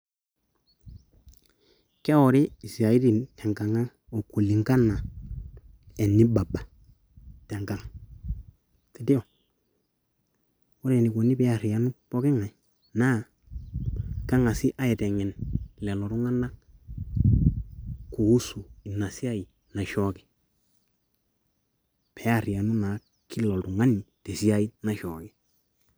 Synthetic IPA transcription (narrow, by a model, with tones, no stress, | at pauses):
kɛ˦ɔ˨ɾɪ˦i˨si˨a˨i˦ɾi˨ntʰɛ˨ŋɡa˨ŋa˦ŋ | o˨ko˨li˨ŋka˦nːa˨ | ɛ˨nːi˦ba˨ba˨ | te˨ŋɡa˦ŋ | ti˨di˦ɔ˨ | o˦ɾɛ˨ni˨ko˨ni˦bɛ˦a˦˨ɾi˨ja˦nu˦po˦kɪ˦ŋa˨i˨ | na˦˨ | ka˦ŋa˨sɪ˦ʔa˦ɛ˨tɛ˨ŋɛ˨nlɛ˨lɔ˨tu˦ŋa˦na˦ | ku˨u˦su˨i˨na˨si˦a˦i˨ | na˨ʃɔ˦kɪ˨ | pe˨a˨ɾi˨a˨nu˦na˨ | kɪ˦lɔ˨ltu˨ŋa˦ni˨te˨si˦a˦i˦na˨ʃɔː˨kɪ˦